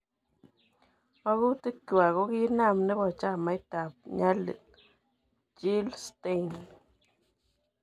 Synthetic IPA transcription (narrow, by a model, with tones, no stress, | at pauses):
o˧ɣu˦t̪ɨ˦ku˨a˨ɣo˦ɣi˦na˦˨mne˦bo˨t͡ʃa˦ma˧˦jt̪a˨p̚ɲa˦lɨ̰˨t̪̚ | t͡ʃi˦lst̪e˦jn